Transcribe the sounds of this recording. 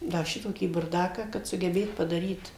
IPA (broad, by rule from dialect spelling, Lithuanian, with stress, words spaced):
ˈdɐ ˈʃʲɪtoːkʲiː bʊrˈdɑːkɑː kɐt sʊɡʲɛˈbʲeːt pɐdɐˈrʲiːt